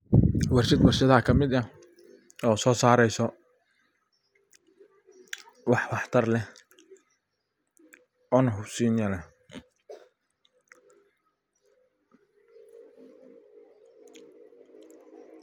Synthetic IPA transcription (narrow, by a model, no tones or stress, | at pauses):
wɑrʃɐd̪wɐrʃɐðɐɐkʰɐmɪd̪ɐ | ɔːsɔːsaːɾɛjsɔ | wɑħwɑħt̪ʰɐrlɛh | ɔːnɐɦʊbsiːnjɐlɛ